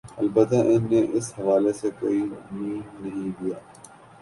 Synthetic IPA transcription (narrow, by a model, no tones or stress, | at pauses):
ɐlbət̪ːaʔɪnːeʔɪshɐʋaːlesekoːimiːnnɐɦĩd̪ijaː